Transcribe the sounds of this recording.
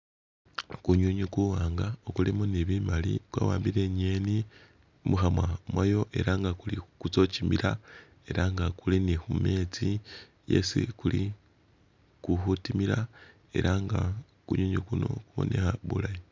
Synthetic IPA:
kuɲuɲukuwaːŋɡaokulimuniβimalḭkwa̰ːwaːmbiɾe̞ɲe̞ni | mʔuxamwamwajo̞ʔe̞̰ɾaŋɡakulikut͡so̞t͡ʃimiɾa | e̞ɾaŋɡakulinixume̞t͡si | je̞̰sḭkuli | kuxutimiɾa | e̞̰ɾaŋɡa | kuɲuɲukuno̞̰kuβo̞̰nʔe̞xaβṵlaji

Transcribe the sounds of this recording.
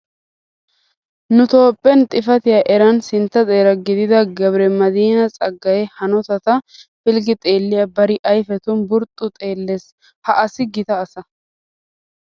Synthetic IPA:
nʊt̪o̞ːpʼːɛnt̪ʼɪfɐt̪ɪjaʔɛɾɐnsɪnt̪ːɐt͡s̪ʼeːɾɐɡɪd̪ɪd̪ɐɡɐbɾɛmɐd̪iːnɐt͡sʼɐɡːɐjɛhɐnɔt̪ɐt̪ɐfɪlɡɪt̪ʼe̞ːlːɪjɐbɐɾɪʔɐjfɛt̪ʊnbʊɾt̪ʼːʊt̪ʼe̞ːlːes | hɐʔɐsɪɡɪt̪ɐːsɐ

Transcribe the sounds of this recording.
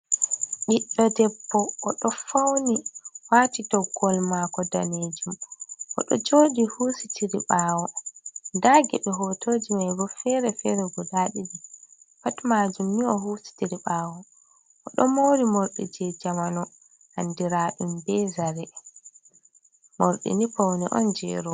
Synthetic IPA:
ɓiɗːɔdɛpːɔʔːɗɔfawniwaːtitɔɡɔlmakɔdaneːd͡ʒumʔɔ̰ɗɔ̰d͡ʒoːɗihuːsi̥tʰiɾiɓaːwɔdaːɡɛɓɛɦɔtʰoːd͡ʒimajɡɔfɛɾɛfɛɾɛɡɔdaːɗiɗi | patmaːd͡ʒumniɔhuːsi̥tiɾiɓaːwɔ | ʔɔɗɔmoːɾimoɾɗɛ̰d͡ʒɛd͡ʒamanɔ | ha̰ndiɾaɗumbɛzaɾɛ | moɾɗḭnifawnḭʔɔ̰nd͡ʒɛ̰ːɾɔ

